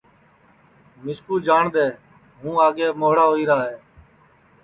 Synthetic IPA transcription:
mɪskuːd͡ʒaːɳd̪eː | ɦũːaːɠeːmoːɦɽaːɦoːiːɾaːɦeː

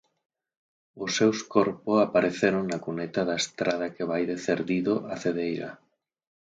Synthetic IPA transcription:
ʊsːewskɔɾpʊsapaɾeθeɾoŋnakunet̪aðɐest̪ɾað̞ɐkeβajðeθeɾðiðʊʔaθeðejɾɐ̰

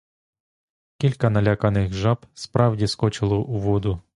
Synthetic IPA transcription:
kʲilʲkɐnɐlʲakɐnɪxʒɑbspɾɑwdʲiskɔt͡ʃɪlˠɔʔuʋɔd̪ʊ

